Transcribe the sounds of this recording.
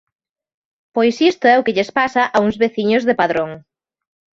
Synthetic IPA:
pojsist̪ʊɛʊkɪʎespasɐʔauŋzβeθiɲʊzðepaðɾoŋ

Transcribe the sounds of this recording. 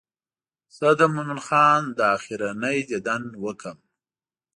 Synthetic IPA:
səd̪əmʊmʊnxɑːnd̪əɑxiɾanəjd͡ʒ̪ed̪anwəkəm

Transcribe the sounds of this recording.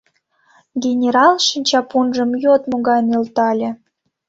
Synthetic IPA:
ɡʲenʲeɾɑlˠʃinʲt͡ɕɑpunʒə̆mjot̪moɣɑjnelt̪ɑlʲĕ

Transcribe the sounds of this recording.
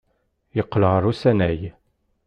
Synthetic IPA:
jəqːəlʁəɾˤusænæj

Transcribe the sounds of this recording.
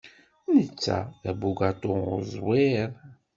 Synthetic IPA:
nət͡sːæ̰ðæbuɡat̪ˤoʁʊ̰zˤwɪɾˤ

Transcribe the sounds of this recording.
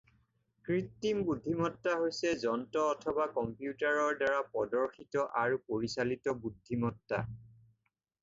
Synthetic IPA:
kɹitːimbudʱːimɔtːaɦojsɛzɔntɔːtʰɔbakɔmpjutaɹɔɹdaɹapɔdɔɹxʰitɔʔaɹupoɹisalitɔbudʱːimɔtːa̰

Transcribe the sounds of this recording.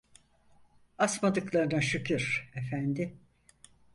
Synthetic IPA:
asmad̪ɯklˠaɾɯnaʃycʰyɾ̥efænd̪ɪ

